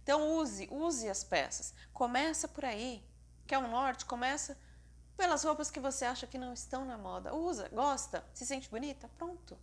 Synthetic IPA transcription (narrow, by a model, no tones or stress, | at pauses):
t̪ɐ̃w̃uzɪʔuzɪɐspɛ̰sɐ̥skomɛsɐpoɾai | kɪɛʊ̃nɔɾt͡ʃɪ̥komɛsɐ | pelɐzhowpɐskɪvoseaʃɐkɪnɐ̃w̃ɪst̪ɐ̃w̃nɐmɔd̪ɐ̰uzɐ̰ɡɔst̪ɐsɪsẽnt͡ʃɪbunit̪ɐpɾõnt̪ʊ